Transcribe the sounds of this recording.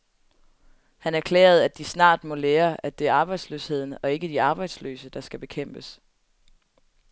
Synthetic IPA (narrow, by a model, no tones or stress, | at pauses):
hænæɐkʰlḛːɐð̩ˠæd̥isnɑ̰̈ːd̥mɔ̽leːɐæd̥e̝æɐɑ̈ːb̥ɑ̈ɪd̥sløshe̝ð̰ˠn̩ɒ̽e̝ɡ̥əd̥iɑ̈ːb̥ɑ̈ɪd̥slø̰ːsəd̥ɑ̈sɡ̥æb̥e̝kʰem̰b̥əs